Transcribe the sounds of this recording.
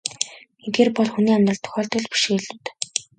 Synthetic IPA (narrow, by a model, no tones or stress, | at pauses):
ɡet̪̚ɡeːrpɔɮxuniːamt̪rə̆ɮt̪ʰʊ̥xʲɔːɮt̪ɵ̆ɮpi̥ʃeeɮuːt̪ː